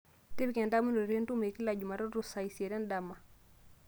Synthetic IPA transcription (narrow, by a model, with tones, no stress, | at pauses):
te˦bi˦ke˨nda˦mu˦ndo˨ɾe˦n˦tu˦me˨ki˦la˨d͡ʒu˨ma˨ɾɔ˦ɾu˦˨sa˨i˨se˨ɾɛ˦nda˨mːa˨